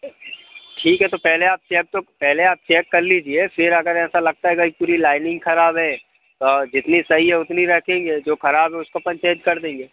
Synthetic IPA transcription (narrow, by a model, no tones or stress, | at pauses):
ʈʰiːkɦɛt̪opɛɦleaːp̚t͡ʃɛːk̚t̪opɛɦleaːp̚t͡ʃɛːkːɐɾlid͡ʒiefɪɾɐɡəɾɛ̃ːsalɐɡ̚t̪aɦɛɡaipuːɾilaːɪnɪ̃ŋɡxɐɾaːbɦɛː | t̪od͡ʒɪt̪nisɐɦiɦɛʊt̪niɾɛɦkʰẽːŋɡeːd͡ʒoːxɐɾaːbɦɛʊskopɐ̃ɲt͡ʃẽːd͡ʒkɐɾd̪ẽːŋɡeː